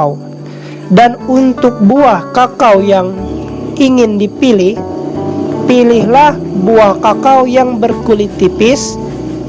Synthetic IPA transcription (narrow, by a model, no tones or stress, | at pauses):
w | danunt̪ʊk̚buahkakawjaŋʔiŋɪndipilɪ | pilɪɦlah | buahkakawjaŋbərkulit̪ipɪs